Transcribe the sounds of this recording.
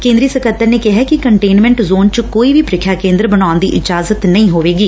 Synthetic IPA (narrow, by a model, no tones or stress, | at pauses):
kẽːnd̪ɾiːsəkət̪ːəɾneːkɪɦɛːkɪkəɳʈeːnmɛ̃ːɳʈzoːnt͡ʃəkoːiːʋiːpɾɪkʰjaːkẽːnd̪ɾbənaːnd̪ḭːʔɪd͡ʒaːzət̪nəĩːɦoːʋeːɡiː